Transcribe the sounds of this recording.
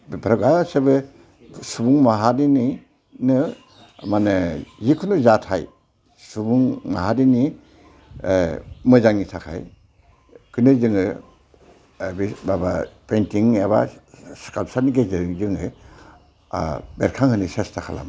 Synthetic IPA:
pʰɾaɡasebɯ | subuŋmaɦadini | nɯ | manɯzikʰunuzatʰaj | subuŋma̰ɦadini | mɯzaŋitʰakʰa̰j | kʰɯnɯzɯŋɯ | bibaba̰pentiŋeba̰skalp̚saniɡeziɾɯŋzɯŋɯ | beɾkʰaŋhɯnisestʰakʰala̰m

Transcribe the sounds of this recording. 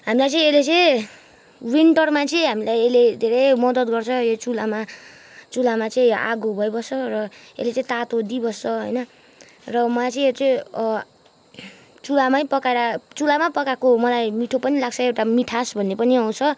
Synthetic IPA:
ɦamilajt͡sʌĩelet͡sʌĩ | winʈʌrmat͡sʌĩɦamilajeled̪ʱeɾʌjmʌd̪ʌt̪̚ɡʌrt͡sʰʌjot͡sulama | t͡sulamat͡sʌĩa̰ɡobʱʌjbʌsʌrʌ | ḛlet͡sʌĩt̪at̪od̪ibʌsːʌɦʌ̰jnʌ | rʌmʌlajt͡sʌĩjot͡sʌĩ | t͡sulamaipʌkaeɾat͡sulamapʌkakomʌlajmiʈʰopʌnilaɡt͡sʰʌewʈamiʈʰasbʱʌnːepʌniaw̃t͡sʰʌ

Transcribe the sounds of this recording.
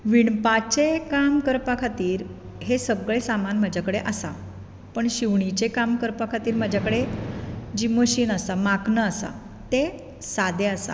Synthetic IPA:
ʋiɳpat͡ɕekamkəɾpakʰat̪iːɾ | ɦesəɡɭesamanm̤ad͡ʑʱakəɽeʔəsa | pəɳɕiʋɳit͡ɕekamkəɾpakʰat̪iːɾm̤ad͡ʑʱakəɽe | d͡ʑiːməɕiːnəsamaknəːsa̰ | t̪e | sad̪ʱeasa̰

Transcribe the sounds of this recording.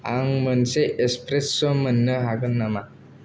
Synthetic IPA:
aŋmɯnseʔespɾesːɔmɯnːɯɦaɡɯnːama

